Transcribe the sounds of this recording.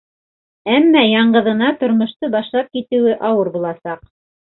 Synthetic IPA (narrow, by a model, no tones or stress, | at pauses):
æmːæjɑɴɢɤ̆ðɤ̆nɑt̪ŏɾmŏʃt̪ɤbɑʃlˠɑp̚kit̪ɘ̆wɘʔɑwɤɾbulˠɑsɑq